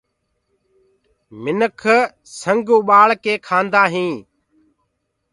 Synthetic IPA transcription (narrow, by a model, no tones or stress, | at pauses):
mɪnəkʰə | səŋɡũːɓaːɭkeːkʰaːnd̪aːɦĩː